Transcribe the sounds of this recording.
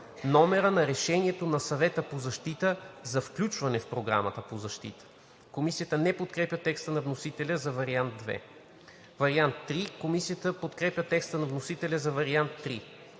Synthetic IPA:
nɔmɛɾənɐɾɛʃɛniɛt̪onɐsɐvɛt̪əpozɐʃt̪it̪əzɐfklʲut͡ʃvɐnɛfpɾoɡɾa̰mɐt̪əpozɐʃt̪ḭt̪ə̥ | komisijət̪ənɛpot̪kɾɛpjʲət̪ɛkst̪ənɐvnosit̪ɛlʲəzɐvɐɾiand̪̚d̪vɛ̰ | vɐɾiant̪ːɾikomisijət̪əpot̪kɾɛpʲjət̪ɛkst̪ənɐvnosit̪ɛlʲɐzɐvɐɾiant̪ːɾi

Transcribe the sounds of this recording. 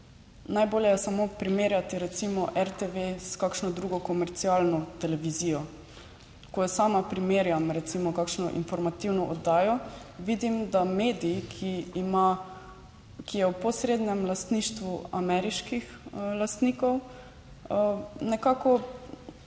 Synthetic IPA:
najboːljɛjɛsamopɾimeːɾjat̪iɾɛt̪simɔʔɛɾt̪eʋeskaːkʃnɔd̪ɾuɡɔkɔmɛɾt̪siaːlnɔt̪ɛlɛʋiziːjɔ | kɔjɛsaːmapɾimeːɾjamɾɛt̪simɔkaːkʃnɔʔḭnfɔɾmat̪iwnɔʔɔd̪aːjɔʋid̪imd̪ameːd̪ikʰiima | kijɛwpɔsɾeːd̪nɛmlast̪niːʃt̪ʋua̰mɛɾiʃkix | last̪niːkɔw | nɛkaːkɔ

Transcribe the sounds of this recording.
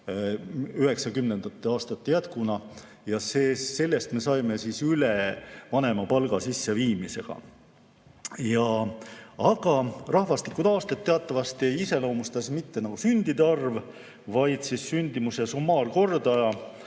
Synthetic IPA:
yɦe̞ksɑkymnend̪̥ɑt̪ˑːeɑːst̪ɑt̪ːe̞jæt̪kunɑ | jɑseːse̞lːest̪me̞sɑjme̞sisylevɑne̞mɑpɑlɡ̥ɑsisːeviːmise̞ɡ̥ɑ̰ | jɑ | ɑɡ̥ɑrɑhvɑst̪likːˑud̪̥ɑːst̪et̪ːe̞ɑt̪ˑːɑvɑst̪iejise̞lo̞ːmust̪ɑsmit̪ːe̞nɑɡ̥usynd̪̥id̪eɑrv | vɑjd̪̥sissynʲd̪̥imuse̞sumːɑːrko̞rd̪ɑjɑ

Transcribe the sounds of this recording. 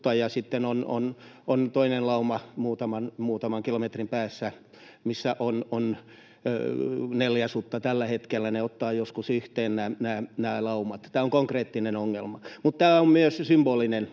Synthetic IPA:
ɑjɑsit̪ːenono̰nont̪oinenlɑumɑmuːt̪ɑmɑnmuːt̪ɑmɑŋkilomet̪rimpæːsːæ | misːæʔonon | neljæsut̪ːɑt̪ælːæhet̪kelːæneot̪ːɑːjoskusyht̪eːnnæːnæːnæːlɑumɑt̪t̪æːoŋkoŋkreːt̪ːinenoŋːelmɑmut̪t̪æːommyøssymb̥oːlinen

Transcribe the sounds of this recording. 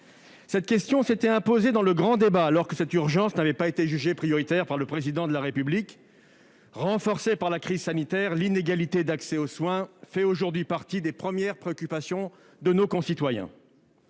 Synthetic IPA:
sɛt̪kʲɛst̪jɔ̃set̪ɛɛ̃pozed̪ɑ̃ləɡʁɑ̃d̪ebaːlɔʁkəsɛt̪yʁʒɑ̃snavɛpaet̪eʒyʒepχijɔʁit̪ɛʁpaʁləpχezid̪ɑ̃d̪əlaʁepyblik | ʁɑ̃fɔʁsepaʁlakχizsanit̪ɛʁlineɡalit̪ed̪aksɛoswɛ̃fɛoʒuʁd̪ɥipaʁt̪id̪epχəmjɛʁpχeɔkʲypasjɔ̃ | d̪ənokɔ̃sit̪wajɛ̰̃

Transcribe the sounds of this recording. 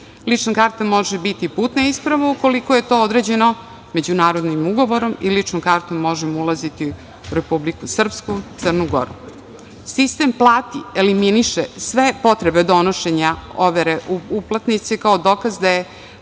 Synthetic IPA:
lit͡ʂnakaːɾt̪amo̞ʒebit̪ipuːt̪naispɾaʋauko̞likojet̪o̞ːod̪ɾeːd͡ʑe̞no | me̞d͡ʑunaːɾo̞d̪nimuɡo̞ʋoɾo̞milit͡ʂnomkaɾt̪omːo̞ʒemoulˠazit̪i | uɾe̞publikusr̩pskut̪sər̩nuɡo̰ɾu | sist̪emplˠaːt̪ieliminiʃesʋe̞po̞t̪ɾebed̪o̞noʃeɲaoʋeɾeʔuuplˠat̪nit̪sikaod̪okazd̪aje

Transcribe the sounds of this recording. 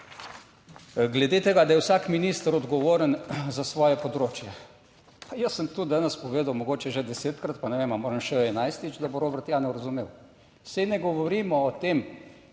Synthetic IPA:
ɡlɛd̪et̪eɡad̪ajɛwsaːkminiːst̪əɾɔd̪ɡɔʋoːɾənzasʋɔːjɛpɔd̪ɾoːt͡ʃjɛ | pajəsːəmt̪ud̪aːnɛspɔʋeːd̪awmɔɡoːt͡ʃɛʒɛd̪ɛseːt̪kɾat̪̚panɛʋemamoːɾəmʃɛɛnajst̪it͡ʃd̪aboɾoːbəɾt̪jaːnɛɾɐzumew | sɛnɛɡɔʋɔɾiːmɔːt̪eːm

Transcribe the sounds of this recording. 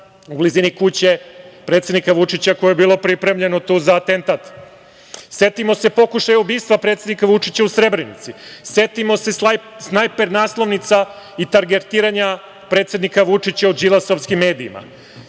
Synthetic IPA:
ubliziːnikut͡ɕe̞pɾet̪sed̪nikaʋut͡ʂit͡ɕakojojebiːlˠo̞pɾipɾe̞mʎe̞no̞t̪uːzaːt̪e̞nt̪at̪ | se̞t̪imo̞se̞po̞kuʃajeubiːst̪ʋapɾe̞t̪sed̪nikaʋut͡ʂit͡ɕausɾebɾenḭt̪sise̞t̪imo̞se̞snajpe̞ɾnaːslˠo̞ʋnit̪sa | it̪aɾɡeɾt̪iːɾaɲa | pɾet̪se̞d̪nikaʋut͡ʂit͡ɕaud͡ʒilˠasoʋskimːe̞ːd̪ḭːma̰

